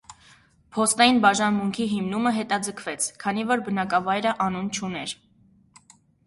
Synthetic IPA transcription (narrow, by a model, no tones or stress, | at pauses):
pʰɔst̪ɑjinbɑʒɑnmuŋkʰiɦimnuməɦɛt̪ɑd͡zəkʰvɛt͡sʰkʰɑnivɔɾbənɑkɑvɑjɾəʔɑnunt͡ʃʰunɛɾ